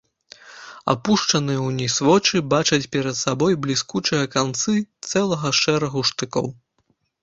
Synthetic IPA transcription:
a̰puʂt͡ʂɐnɨjɛwnʲisvɔt͡ʂɨbat͡ʂɐt͡sʲpʲɛɾɐt̪sabɔjblʲiskut͡ʂɨjɐkant̪sɨt̪sɛlˠɐɣɐʂɛɾɐɣuʂt̪ɨkɔ̰w

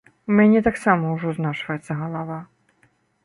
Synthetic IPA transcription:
mʲɛnʲɛt̪aksamɐwʐɔznat͡ʂvɐjɛt̪sːɐɣɐlˠava

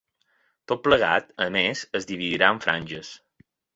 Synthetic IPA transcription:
t̪ot̪̚pləɣ̞a̰t̪əmezəzd̪iβiðiɾaəɱfɾʔa̰nʲʒəs

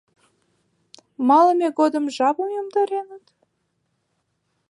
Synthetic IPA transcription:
mɑləmeɣod̪əmʒɑβəmjomd̪ɑɾenət̪

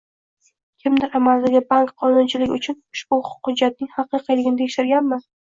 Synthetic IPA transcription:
kʲʰɪmd̪ɪɾamald̪aɡʲɪbaŋkqʰːɒnʊnt͡ʃʰɪlɪkʲʊt͡ʃʰʊnʊʃbʊʊ̥qhʊd͡ʒːat̪̚nɪŋhɑqɨjqʰɨjlɪɡʲɪnɪd̪ʰekʃt̪ɪɾɡʲanmɪ

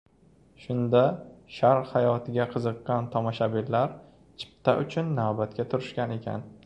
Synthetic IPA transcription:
ʃʊnd̪aʃaɾhajɒt̪ʰɪɡʲaqʰɨzɨqːɑnt̪ʰɒmɒʃabɪllaɾ | t͡ʃʰɪ̥p̚t̪ʰaʔʊt͡ʃʰʊnːawbat̪̚kʲat̪ʰʊɾɪʃkʲane̞kʲʰa̰n

